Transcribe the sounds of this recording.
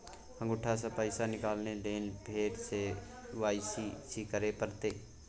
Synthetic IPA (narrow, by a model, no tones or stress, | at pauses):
hə̃ŋɡʊʈʰasapəɪsanɪkaːlneleːnbʱeːʈse | ʋaːɪsisikəɾepəɾt̪eː